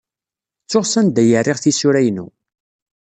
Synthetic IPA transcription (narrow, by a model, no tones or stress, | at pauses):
t͡sːʊʁsænd̪æjərːɪʁθisʊɾæjnṵ